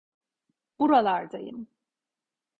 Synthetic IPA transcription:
b̥uɾalˠaɾd̪ajɯ̰m

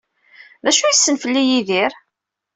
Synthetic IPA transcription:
ðæʃujisːənfəlːijiðiɾ

